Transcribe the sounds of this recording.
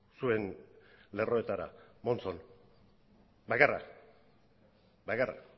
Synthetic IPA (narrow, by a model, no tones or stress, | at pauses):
sue̞nle̞ro̞e̞t̪aɾa̰mo̞nt͡so̞n | bakara̰ | bakara̰